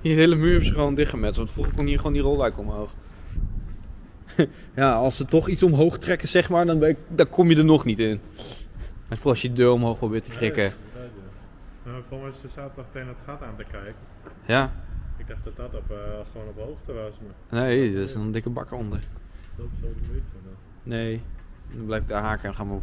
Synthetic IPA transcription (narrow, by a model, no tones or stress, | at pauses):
iheːləmyːɹɛpsəχəʋowndɪχəmɛtstʋɑntfuχəkonhiːɹχʋoːndirɔlˠɛɥkəɔmɦowχ | jaːɑlˠsətɔχitsɔmɦowχtrɛkəsɛχmaːɹdɔnbɛdɔnkʰɔmjədəɹnɔχnitɪn | afɔsjədədøːɹɔmɦowxprobɪːɹtəkrɪkə | afolˠmɛsəsaːtəddɔxtenətχataːntəkɛjkə | jaɪɡ̚daχtdɔtɔtɔpsəonəthowxtəʋasmə | nejdɔtɪsnɔndɪkəbɑ̰kəɔndəɹdopsodəɪtədɔn | nejndɔnblɛjfɪɡ̚daɦaːkəɛnχaːm